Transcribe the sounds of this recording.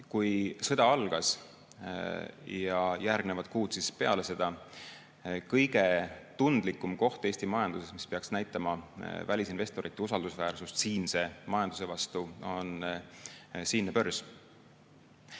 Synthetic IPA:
kujsɤd̪̥ɑɑlɡ̥ɑs | jɑjærɡ̥ne̞vɑd̪t̪̚kuːd̪̥sispe̞ɑ̰le̞se̞d̪̥ɑ | kɤjɡ̥e̞t̪und̪̥likːˑumko̞ht̪e̞ːst̪imɑjɑnd̪use̞smispe̞ɑksnæjt̪ːˑɑmɑvælʲisinve̞st̪o̞ɾit̪ːˑeusɑld̪usvæːrsust̪siːnse̞mɑjɑnd̪use̞vɑst̪uo̞n | siːnːepørs

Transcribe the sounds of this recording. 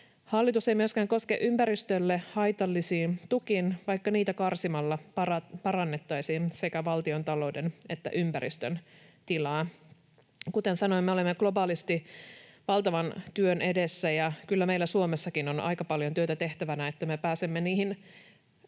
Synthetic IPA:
hɑlːit̪use̞jmyøskæːŋko̞skeʔympæɾist̪ølːehɑjt̪ɑlːisiːnt̪ukinʋɑjkːɑniːt̪ækɑrsimɑlːɑɑpɑɾɑnːe̞t̪ːɑjsiːnse̞kæʋɑlt̪io̞nt̪ɑlo̞wdene̞t̪ːæ̰ʔympæɾḭst̪ønt̪ilɑː | kut̪e̞nsɑno̞imːeo̞lemːeɡ̥lo̞bɑːlist̪iʋɑlt̪ɑʋɑnt̪yønʔe̞de̞sːæjɑkylːæmejlːæsuomesːɑkino̞nɑ̰jkɑpɑljont̪yøt̪æt̪e̞ht̪æʋænæet̪ːæme̞pæːsemːeniːhin

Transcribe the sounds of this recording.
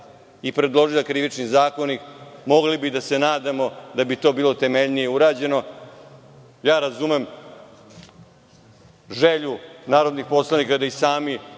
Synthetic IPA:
ipɾe̞d̪lˠo̞ʒilˠakɾiʋit͡ʃnizaːko̞nikmoɡlibid̪ase̞naːd̪amo̞d̪abit̪o̞ːbiːlˠo̞t̪e̞me̞ʎnijeuɾaːd͡ʑe̞no̞ | jaːɾazumem | ʒeʎunaːɾo̞d̪nixpo̞slˠanikad̪aisaːmi

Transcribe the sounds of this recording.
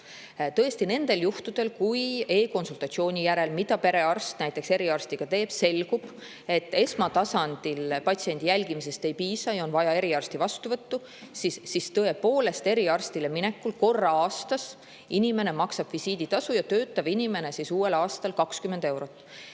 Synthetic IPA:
t̪ɤe̞st̪ine̞nd̪̥e̞ljuht̪ud̪̥e̞lkuje̞ːko̞nsult̪ɑt̪sio̞ːnʲijæɾe̞lmid̪̥ɑpe̞ɾe̞ɑrst̪næjt̪ːˑe̞kse̞ɾiɑrst̪iɡ̥ɑt̪e̞ːb̥se̞lɡ̥ub̥ | e̞t̪ːe̞smɑt̪ɑsɑnd̪̥ilpɑtsie̞nʲd̪̥ijælʲɡ̥imise̞st̪e̞jpiːsɑjɑo̞nvɑjɑe̞ɾiɑrst̪ivɑst̪uvɤt̪ːu | sisːist̪ɤe̞po̞ːle̞st̪e̞ɾiɑrst̪ilemine̞kːulko̞rːɑɑːst̪ɑs | inime̞ne̞mɑksɑb̥visiːd̪̥it̪ɑsujɑt̪ø̞ːt̪ːˑɑb̥inime̞ne̞sisuːe̞lɑːst̪ɑlkɑkskyme̞nd̪̥e̞wɾo̞t̪ːˑ

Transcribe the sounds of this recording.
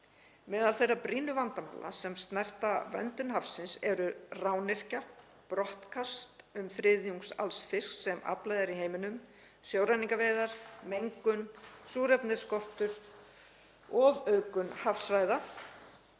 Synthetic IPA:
mɛːðalθejrapɾiːnʏvant̪ama̰lʔa̰sɛmst̪nar̥t̪avœ̰nt̪ʏnɦafsɪnsɛɾʏrawnɪr̥ca | pɾɔht̪kʰast̪ʏmfɾɪðjuŋksa̰lsfɪsksɛma̰plajðaɾiɦeːjmɪnʏm | sjoːwɾajniŋkaveːðaɾ̥mejŋkʏnsuːɾɛpnɪðskɔr̥t̪ʏɾ̥ | ɔvœɥkʏnhafsvaːjða

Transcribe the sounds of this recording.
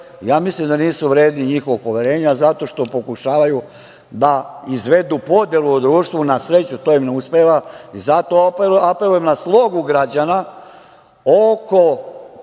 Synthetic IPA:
jaːmislimd̪aniːsuʋɾe̞ːd̪niɲixoʋoɡ̚po̞ʋje̞ɾe̞ːɲazat̪o̞ʃt̪o̞po̞kuʃaːʋaju | d̪aizʋe̞d̪upo̞d̪jeluɔd̪ɾuːʃt̪ʋunasɾe̞t͡ɕut̪oimneuspeʋaizat̪o̞ape̞lujemnaslˠo̞ɡuɡɾad͡ʑana | oko̞

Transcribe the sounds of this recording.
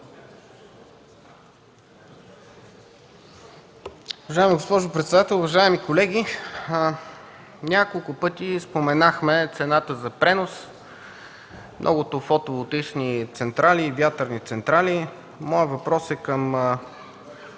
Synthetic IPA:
ʊvɐʒaɛmiɡospɔʒʊpɾɛt̪sɛd̪at̪ɛlˠʊvɐʒaɛmikolɛɡ̟i | nʲakolˠkʊpɤt̪ʲispomɛnaxmɛt̪sɛnat̪əzɐpɾɛnos | mnʔɔ̰ɡʊt̪ofot̪ovot̪it͡ʃnit̪sɛnt̪ɾalivʲjat̪əɾnit̪sɛnt̪ɾali | mɔjəvɐpɾɔsɛkəm

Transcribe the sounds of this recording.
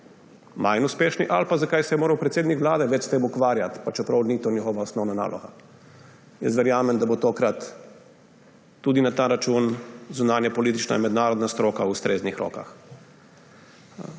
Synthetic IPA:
majnuspeːʃniʔalpazakajsɛjɛmoːɾɐwpɾɛt̪seːd̪nikʋlaːd̪ɛʋɛt͡ʃst̪eːmukʋaːɾjat̪pat͡ʃɛpɾawnit̪oːnixɔʋaɔsnɔwnana̰ːlʔɔ̰ɣa̰ | jɛ̰st̪ʋɛɾjaːmɛnd̪abot̪oːkɾat̪ | uːd̪inat̪aːɾat͡ʃunzunaːnjapɔliːt̪it͡ʃna̰jmɛd̪naːɾɔd̪nast̪ɾoːkaust̪ɾʔeːznixɾo̰ːka̰x

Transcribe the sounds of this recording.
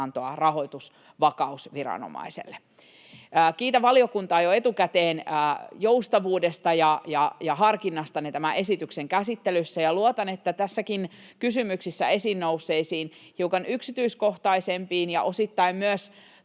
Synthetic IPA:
nt̪oɑ̰rɑɦo̞jt̪us | ʋɑkɑusʋiɾɑ̰no̰mɑ̰isḛlːeː | kiːt̪æʋɑliokunt̪ɑːjoe̞t̪ukæt̪eːnəːjoust̪ɑʋuːdest̪ɑjɑjɑjɑɦɑrkinːɑst̪ɑnet̪æmæʔesit̪ykseŋkæsit̪ːelysːæjɑluot̪ɑnet̪ːæt̪æsːækin | kysymyksisːæe̞sinːousːeisiːn | hiukɑnyksit̪yisko̞ht̪ɑisempiːnjɑ̰ʔo̞sit̪ːɑimmyøs

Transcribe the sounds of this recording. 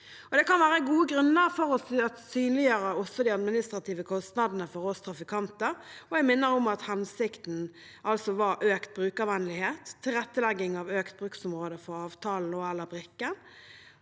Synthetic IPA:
ɔd̪ɛkɑnʋæːʁəɡuːəɡɾʉnːəʁfɔɾɔsɑt̪syːnlɪjøːɾəɔsɔd̪iɑd̪mɪnɪst̪ʁɑt̪ʰiːʋəkʰɔst̪nɑd̪nəfɔɾɔst̪ʰɾɑfɪkʰɑnt̪əɾɔɛɡmɪnːəɾɔmɑt̪hɛnsɪkt̪n̩ | ɑlsɔʋɑɾʔøːkt̪̚bɾʉːkɑʋɛnlɪheːt̪ʰːɪlʁɛt̪ːəlɛɡːɪŋɑʋøːkt̪̚bʁʉːksʊmʁoːd̪əfɔɾɑːʋt̪ʰɑːln̩ɔælːəɾbɾɪkːən

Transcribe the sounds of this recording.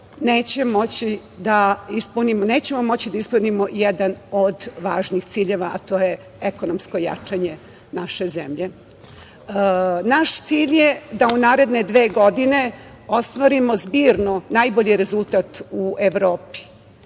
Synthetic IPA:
neːt͡ɕe̞mo̞t͡ɕi | d̪aispunimoneːt͡ɕe̞momo̞t͡ɕid̪aispunimo̞jed̪anod̪ʋaːʒnixt̪siːʎe̞ʋaʔa̰t̪o̞ːje | ekonomsko̞ja̰t͡ʂaɲe̞ | naʃe̞zḛmʎe̞ | naʃt̪siːʎje̞d̪aunaːɾe̞d̪ne̞d̪ʋeːɡo̞d̪ine̞ | o̞st̪ʋaɾimo̞zbiːɾnonajbo̞ʎiɾe̞zulˠt̪aːt̪uʔeʋɾo̞ːpi̥

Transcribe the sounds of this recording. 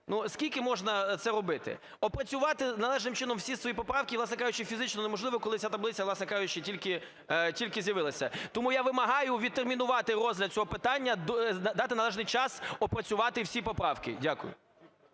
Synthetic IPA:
nuskʲilʲkɪmɔʒnɐt̪sɛɾɔbɪt̪ɪ̰ | ɔpɾɐt͡sʲʊʋɑt̪ɪnɐlˠɛʒnɪmt͡ʃɪnɔmwsʲisʋɔjipɔpɾɑwkʲɪiʋlˠɑsnɛkɑʒʊt͡ʃɪfʲizɪt͡ʃnɔnemɔʒlˠɪʋɔkɔlˠɪat̪ɐblɪt͡sʲɐʋlˠɑsnɛkɑʒʊt͡ʃɪtʲilʲkɪ | tʲilʲkɪzʲjɐʋɪlˠɐsʲɐt̪ɔmujaʋɪmɐɦɑjʊʋʲid̪̚t̪ːermʲinʊʋɑt̪ɪrɔzʲlʲɐd̪̚t͡sʲɔɦɔpɪt̪ɑnʲːɐd̪d̪ɑt̪ɪnɐlˠɛʒnɪjt͡ʃɑsɔpɾɐt͡sʲʊʋɑt̪ɪwsʲipɔpɾɑwkɪ̰dʲakʊ̰jʊ̰

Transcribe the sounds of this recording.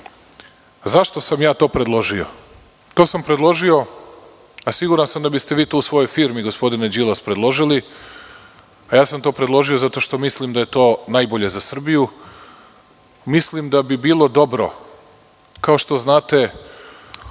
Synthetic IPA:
zaʃt̪osamjaːt̪o̞ːpɾe̞d̪lˠo̞ʒio̞̰ | t̪o̞ːsampɾed̪lˠo̞ʒio̞ | asiɡuɾansamd̪abist̪e̞ʋiːt̪uːusʋo̞jo̞jfiːɾmiɡospo̞d̪ined͡ʒilˠaspɾe̞d̪lˠo̞ʒili | ajaːsamt̪o̞ːpɾe̞d̪lˠo̞ʒijo̞zat̪o̞ʃt̪o̞mislimd̪aje̞t̪o̞ːnajboʎe̞zasr̩biju | mislimd̪abibiːlˠo̞d̪o̞bɾo̞̰ | kao̞ʃt̪o̞znaːt̪e̞

